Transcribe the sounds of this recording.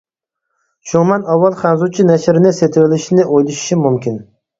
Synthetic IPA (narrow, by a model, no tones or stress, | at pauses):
ʃuŋmɛnɑwːɑlˠχænzut͡ʃʰinɛʃɾɪnɪset̪ʰɪwɪlɪʃinɪʔojlɪʃi̥ʃimumkʲɪn